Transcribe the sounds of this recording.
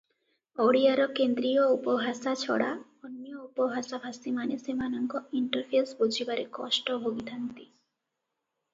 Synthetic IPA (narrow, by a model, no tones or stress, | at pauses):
oɽiaɾɔkend̪ɾioupɔɦasat͡ɕʰɔ̰ɽa̰ | ɔnːiɔupɔbʱasabʱasimanesemanɔŋkɔiɳʈəɾpʰesbod͡ʑʱibaɾekɔʃʈɔɦobit̪ʰant̪i